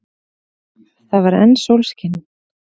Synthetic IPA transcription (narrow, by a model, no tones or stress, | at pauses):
θavaɾɛ̰nːsowlscɪn